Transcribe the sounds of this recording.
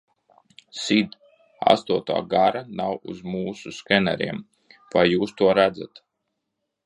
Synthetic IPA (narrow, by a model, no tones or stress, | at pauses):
sid̪ | a̰st̪uɔt̪a̰ːɡaɾanawṵzmuːsuskɛnɛ̰ɾḭɛm | vajːuːst̪uɔɾæd̪zat̪